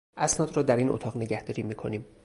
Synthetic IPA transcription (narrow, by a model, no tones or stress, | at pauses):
ʔæsnɒːd̪ɾɒːd̪æɾiːnʔo̰t̪ʰɒːɣne̞ɟæhd̪ɒːɾiːmiːkʰoniːm